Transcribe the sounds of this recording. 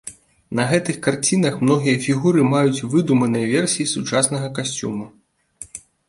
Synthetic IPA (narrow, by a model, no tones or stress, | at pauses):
nɐɣɛt̪ɨxkart͡sʲinɐxmnɔɣʲijɐfʲiɣuɾɨmajut͡sʲvɨd̪umɐnɨjɐvʲɛrsʲijisut͡ʂasnɐɣɐkasʲt͡sʲṵmu